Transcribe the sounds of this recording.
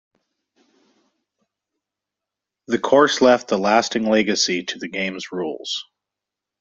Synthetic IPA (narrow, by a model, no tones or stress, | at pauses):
ðɨkʰɔɹslɛft̪̚ðəlæstɪ̃ŋlɛɡɨsiɾɨðɨɡẽɪ̃mzɹṵlˠz̥